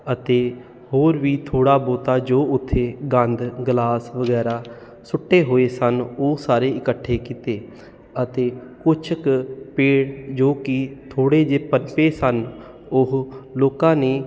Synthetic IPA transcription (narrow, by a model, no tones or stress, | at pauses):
ət̪eː | hoːɾʋiːt̪ʰoːɽaːboːt̪aːd͡ʒoːʊt̪ʰːeːɡə̃nd̪ɡlaːsʋəɡɛːɾaː | sʊʈːeːɦoːeːsənosaːɾeːɪkəʈʰːeːkit̪eː | ət̪eːkʊt͡ʃʰəkpeːɽd͡ʒoːkɪt̪ʰoːɽeːd͡ʒeːpənpeːsən | ʊɦloːkãːneː